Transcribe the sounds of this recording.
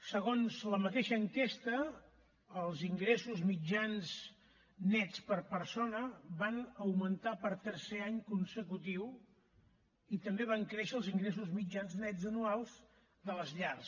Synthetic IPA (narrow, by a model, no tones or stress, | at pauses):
səɣonzləmət̪eʃəːŋkɛst̪əː | lˠziŋɡɾesuzmid͡ʒanz | nɛt͡spəɾpəɾsonəβanəwmənt̪apəɾt̪əɾseaɲkunsəkut̪iw | it̪əmbeβaŋkɾeʃəːlˠziŋɡɾes̬uzmid͡ʒanznɛd͡zənualˠz | d̪ələzʎars